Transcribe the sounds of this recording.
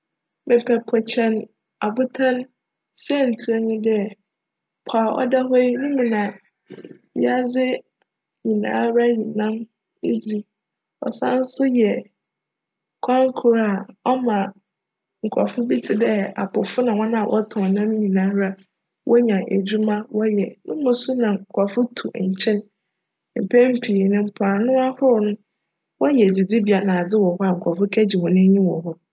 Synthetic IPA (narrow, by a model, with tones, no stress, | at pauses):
mɪ̃˨pʰɛ˨pʰɔ˨t͡ɕʰɛ̃˦n | a˨bʊ˦tʰã˦n | sɛ˦˨n̩˨tʰu˨ɛ˦nʊ̃˦dɪ˦ɛ˦˨ | pʰa˨ʔɔ̰˦da˦ɦe˦i˦nũ˦mũ˨nã˨ | mḭ̃˦a˦d͡zɪ˦ | ɲĩ˨nã̰ː˦ɾa˦ɲĩ˨nã˦m | e˦d͡zi˦ | ɔ̰˨sã̰˦n̩˦sʊ˦jɛ˨ | kʷʰã˦ŋ˦kʰu˨ɾa˨ɔ˦mã˨ | ŋ̩˨kʷʰɔ̰˨fʊ˦bi˦tʰɪ˨dɛ˦a̰˨pʊ˨fʊ˦nã˨wɔ̃˦nã˦a˨wʔɔ̰˦tʰɔ̃˨nã˦m˦ɲĩ˨nã˦ɾa˦ | wʔɔ˦ɲã˨ʔæ˨d͡ʑu˦mã˦wɔ˦jɛ˨nʊ̃˦mõ˨su˦nã˨ŋ̩˨kʰʷɔ˨fʊ˦tʰu˨ɲ̩˨t͡ɕʰɛ̃˦n | m̩˨pʰɛ˦m̩˦pʰi˨nʊ̃˨m̩˦pʰaː˨nʊ̃˦a˦hʊ˦ɾʊ˨nʊ̃˦ | wɔ˦jɛ˨d͡zi˨di˦bi˨a˨nã˨a˨d͡zɪ˦wɔ˨hɔ˦a˨ŋ̩˨kʷʰɔ˨fʊ˦kʰæ˦d͡ʑi˨wɔ̃˨nɪ̃˦ɲĩ˦wɔ˨ɦɔ˦